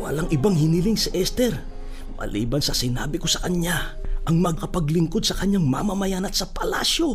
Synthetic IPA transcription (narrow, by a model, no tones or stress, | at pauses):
wɐ̰laŋʔɪbaŋhɪnɪliŋsɪʔɛst̪ɛɾ | mɐ̰lḭːbɐnsɐsɪna̰ːbɪko̞sɐkɐɲa | ʔɐŋmɐɡkɐpɐɡlɪŋko̞d̪̚sɐkɐɲaŋmɐmɐmɐjanɐt̪sɐpɐla̰ːsjo̞